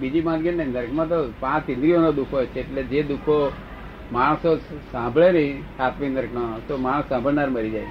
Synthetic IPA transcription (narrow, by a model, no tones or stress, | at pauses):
bid͡ʒipãd͡ʒɡənnenəɾkʰmãt̪̬opãt͡ʃĩnd̪ɾionod̪ukʰɦojt͡ʃʰeːʈled͡ʒed̪ukʰo | maɽ̃sosãmbʱɭenəĩsat̪ʰʋinəɾknot̪omaɽ̃əsːãmbʱəɭnaɾməɾid͡ʒajt͡ʃʰ